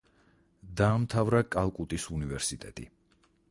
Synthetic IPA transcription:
d̪aːmt̪ʰavɾakʼalˠkʼut̪ʼisunivɛɾsit̪ʼɛt̪ʼḭ

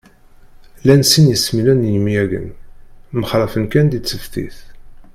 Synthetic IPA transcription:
lænsinjəsmilænjəmiæɡə̰nməχɾˤəfənkænd̪it͡sːəfθḭθ

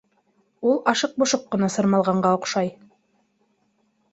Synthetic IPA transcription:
ulˠɑʃɤq̚bŏʃoqːɤ̆nɑsɤ̆ɾmɑlˠʁɑɴɢɑŏqʃɑj

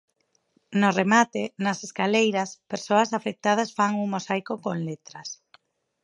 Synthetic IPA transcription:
noremat̪enaseskalejɾaspeɾsoɐsafek̚t̪að̞asfaŋuŋmosajkokoŋlet̪ɾɐs

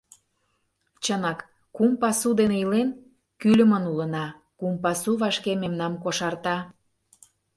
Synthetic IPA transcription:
t͡ɕənɑkː | umpɑsud̪eneilen | kylʲə̆mənulə̆nɑ | kumpɑsuβɑʃkememnɑmkoʃɑrt̪ɑ

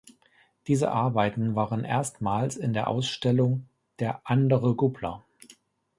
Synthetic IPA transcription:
d̥iːzə̰ʔaɐbaɪtn̩vaːʁənʔḛːɐstmaːlsɪndeːɐʔa̰ʊsʃtɛlʊŋ | d̥eːɐʔandəʁəɡuplɐ̰

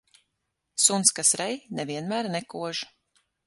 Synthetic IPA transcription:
sunt̪skasɾɛjnɛviɛnmæːɾnɛkuɔʒ

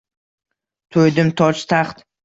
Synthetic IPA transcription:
t̪ʰojd̪ɪmt̪ʰɒt͡ʃt̪ʰaχt̪

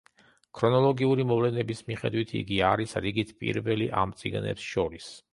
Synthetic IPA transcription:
kʰɾɔnɔlˠɔɡiuɾimɔvlɛnɛbismiχɛ̰d̪wit̪ʰḭɡiaɾisɾiɡit̪ʰpʼḭɾvɛliʔa̰mt̪sʼḭɡnɛ̰psʃɔɾis

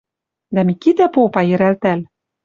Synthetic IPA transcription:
d̪æmikit̪æpopɑjɘ̆ɾælt̪æl

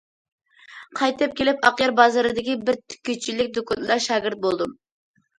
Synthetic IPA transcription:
qʰɑjt̪ɨp̚kʲʰelɪpɑqjɑɾbɑzɑɾɨd̪ɪkʲibɪɾt̪ʰy̥kʲːyt͡ʃʰːilɪk̚ʲd̪okʰɑnlˠɑɾʃɑːɡʲɪɾt̪̚bolˠd̪ɨm

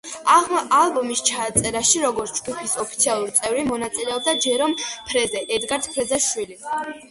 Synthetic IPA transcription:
aalˠbɔmist͡ʃʰaːt̪sʼɛɾaʃiɾɔɡɔɾt̪ʰd͡ʒɡupʰisɔpʰit̪sʰialˠuɾit̪sʼɛvɾimɔnat̪sʼilɛɔb̚d̪ad͡ʒɛɾɔmpʰɾɛzɛʔɛd̪ɡaɾt̪ʰpʰɾɛzɛʃwili

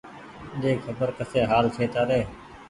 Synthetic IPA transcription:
ɗeːkʰəbəɾkəseːɦaːlt͡ʃʰeːt̪aːɾeː

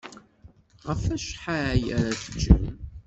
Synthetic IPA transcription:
ʁəfæʃħajəɾaθəd͡ʒːə̰m

